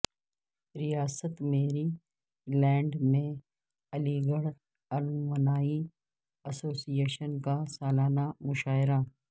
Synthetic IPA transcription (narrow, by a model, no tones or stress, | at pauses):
ɾijaːsət̪meːɾi | lɛ̃ːɳɖmẽ | ɐliɡəɽ | ɐlʋənaːi | ɐsoːsijeːʃənkasaːlaːnamʊʃaːɪɾa